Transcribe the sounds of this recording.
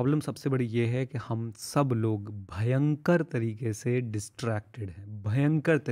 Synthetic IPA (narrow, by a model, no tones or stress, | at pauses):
ɔːblə̃msɐbsebɐɽijeɦɛkihɐmsɐbloːɡbʱɐjə̃ŋkəɾt̪ɐɾiːkeseɖɪsʈɾɛːk̚ʈɪɖɦɛ̃ːbʱɐjə̃ŋkəɾt̪ɐ